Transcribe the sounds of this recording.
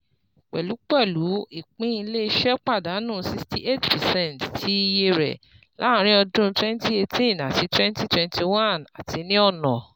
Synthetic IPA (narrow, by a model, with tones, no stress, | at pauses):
k͡pɛ̰˨lu˨˦k͡pɛ˦˨lu˨˦i˦˨k͡pĩ˦i˧le˦i˧ʃɛ˦k͡pa˦˨da˨˦nũ˦˨˦si˧ksti˨ʔe˦˨tpɛ˨sɛ˦˨nttʰi˨˦i˧je˧ɾɛ̰˨ | lã̰˨˦˨ɾ̃ĩ˦ɔ˧dũ˦˧twɛ̃˦n˦ti˦e˧tĩ˦˨na˨ti˨˧˦twɛ̃˦n˦ti˦twɛ̃˦nti˧wã˦˨na̰˨tʰi˧nĩ˦ɔ˦˨nɔ̃˨